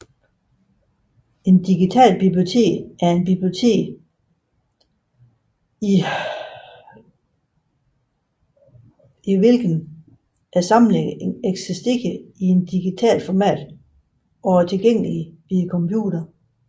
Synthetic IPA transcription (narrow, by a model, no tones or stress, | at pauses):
e̝nd̥iɡ̥it͡sʰɛ̰ːlb̥ib̥liot͡sʰe̝̰ːɡ̥æɐe̝nb̥ib̥lio̝t͡sʰe̝̰ːɡ̥ | iʋe̝lɡ̥n̩ | ʔæsɑ̈mn̩eɡeɡ̥sesd̥e̝ɡ̥əie̝nd̥iɡ̥it͡sʰɛ̰ːlfɒmɛ̰ːd̥ | ʔɒ̽æt͡sʰe̝lɡ̥eŋ̰əlib̥ikʰɒ̽mpʰjṵːɾ̥ɐ